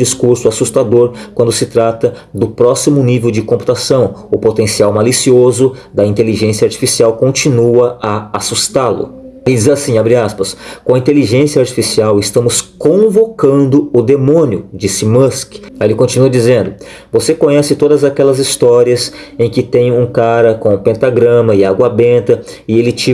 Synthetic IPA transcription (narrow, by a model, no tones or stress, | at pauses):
d͡ʒiskuɾsʊasust̪ad̪oɾkwɐ̃nd̪ʊsɪt̪ɾat̪ɐ | d̪ʊpɾɔsimʊnivewd͡ʒɪkõmpu̥t̪asɐ̃w̃ʊpot̪ẽsiawmalisiozʊd̪ɐĩnt̪eliʒẽsiɐaɾt͡ʃi̥fisiawkõt͡ʃinuɐɐasust̪alʊ̰ɪd͡ʒizasĩabɾiaspɐskõɐĩnt̪eliʒẽsiɐaɾt͡ʃi̥fisiawɪst̪ɐ̃mʊskõvokɐ̃nd̪ʊʊd̪emõnjʊd͡ʒisɪmɐskelɪkõt͡ʃinuɐd͡ʒizẽnd̪ʊ | vosekõɲɛsɪt̪od̪ɐzakɛlɐzist̪ɔɾiɐsẽj̃kɪt̪ẽj̃ũkaɾɐkõpẽnt̪aɡɾɐ̃mɐɪaɡwɐbẽnt̪ɐ | ɪelɪt͡ʃi